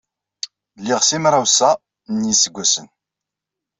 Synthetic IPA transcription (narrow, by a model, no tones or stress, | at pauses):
lːɪʁsimɾˤawsæ | njisəɡʷːæsən